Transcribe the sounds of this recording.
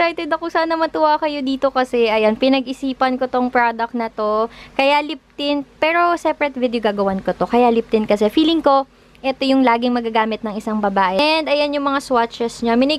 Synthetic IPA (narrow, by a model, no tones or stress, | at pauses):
ksajt̪ɛd̪ɐkosaːnɐmɐt̪ʊwaːkɐjo̞d̪iːt̪o̞kɐsɛʔɐjonpɪnɐɡʔɪsiːpɐnkot̪oŋpɹod̪ɐk̚t̪̚nɐt̪o̞kɐjalɪp̚t̪ɪnpɛːɾo̞sɛpɾɛt̪̚vɪd̪joɡaːɡɐwɐnkot̪o̞kɐjalɪp̚t̪ɪnkɐsɛfiːlɪŋko̞ | ʔɛt̪o̞jʊŋlaːɡɪŋmɐɡaɡaːmɪt̪̚nɐŋɪsaŋbɐbaːʔɛnd̪ɐjanjʊŋmɐŋaswat͡ʃɛsɲamɪnɪ